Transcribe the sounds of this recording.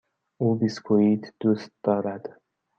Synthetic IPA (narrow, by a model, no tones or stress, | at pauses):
ʔuːbiskʰoit̪ʰd̪̥uːst̪̚d̪̥ɒːɾæd̪̥